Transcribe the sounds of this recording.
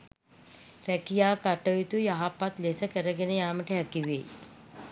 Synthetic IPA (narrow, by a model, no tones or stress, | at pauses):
rækijaːkaʈəjut̪ujaɦapːat̪lesəkəɾəɡenəjaːməʈəɦɛkiʋḛ